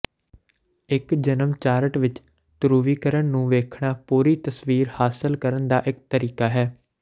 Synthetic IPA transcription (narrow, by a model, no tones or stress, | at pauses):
ɪkd͡ʒənəmt͡ʃaːɾəʈʋɪt͡ʃ | t̪ʊɾuːʋiːkəɾənnũːʋeːkʰɳaːpuːɾiːt̪əsʋiːɾhaːsɪlkəɾənd̪aːʔɪk̚t̪əɾiːkaːɦɛː